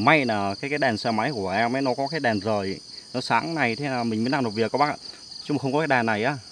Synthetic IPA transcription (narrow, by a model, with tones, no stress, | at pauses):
ma˧jnaː˨˩kaː˨˦jkaː˨˦jɗɛ˨˩nsɛ˧ma˨˦jku˧˩əʔɛ˧mːa˨˦jnɔ˨˦kɔ˨˦kaː˨˦jɗɛ˨˩nzəː˨˩jnɔ˨˦saː˨˦ŋna˨˩jt̪ʰe˨˦na˨˩mï˨˩mi˨˦nlaː˧˩no˨˩vi˨˩əkːɔ˨˦ɓaː˦˥˧ | t͡ɕʊ˧˦ŋ͡mxə˧ŋ͡mkɔ˨˦kːaː˨˦jɗɛː˨˩nːa˨˩jʔaː˨˦